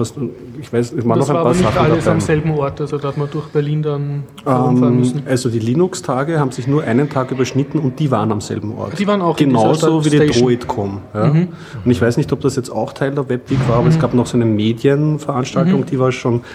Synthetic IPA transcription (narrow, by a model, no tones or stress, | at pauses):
vastu | ɪçv̥aɪsmaːnɔʊxɛpaːnaχn̩aldamzɛlbm̩ɔɐtalzodahatmand̥ʊɐxb̥ɛɐliːndan | ʔɛm̩ʔalzodiːliːnʊkstʰaːɡəhaːbm̩z̥ɪçnuːɐʔaɪnəntʰaːkʔyːbɐʃnɪtn̩ʊnt̚d̥iːva̰ːʁənamz̥ɛ̰lbm̩ʔɔ̰ɐtd̥iːvaːɐnaʊxɡ̥ennaʊʊzoviːdiːdʁoɪtkʰɔmjaː | ʊntɪçv̥æɪsnɪçtɔp̚d̥asjɛt͡sta̰ʊxtʰaɪldəɐvɛpv̥iːkv̥aːɐaːbɐɛsɡ̥aːpnɔχsaɛɪnəmeːdjənfɛɐʔanʃtaltʊŋd̥iːvaːɐʃoːn